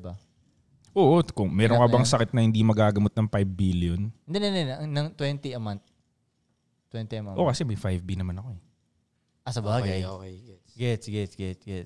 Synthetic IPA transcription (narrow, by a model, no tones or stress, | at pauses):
bɐ | ʔoʔkʊŋmɛːɾoŋkɐbɐŋsɐkɪt̪̚nɐhɪnd̪imɐɡaːɡɐmot̪̚nɐŋpajbːiljonɛnd̪ɛnɛnd̪ɛnɐnɐŋt̪wɛnt̪iɐmɐnt̪̚ | t̪ːwɛnt̪iɐmaʔo̞kɐsɛmɐjfajvbinɐmanɐko̞ɛ | ʔɐsɐbaːɡɐjoɡɛ | ɡɛtsɡɛsɡɛɡɛ